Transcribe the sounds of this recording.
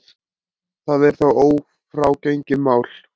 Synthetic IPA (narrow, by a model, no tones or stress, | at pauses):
θaðɛɾ̥θawoːw | fɾaːwcejŋcɪmaːwl